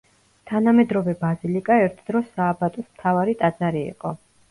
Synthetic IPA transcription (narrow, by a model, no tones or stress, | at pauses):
t̪ʰanamɛd̪ɾɔvɛbazilikʼaɛɾt̪ʰd̪̥ɾɔsaːbat̪ʼɔsmt̪ʰavaɾit̪ʼad̪z̥aɾḭːqʼɔ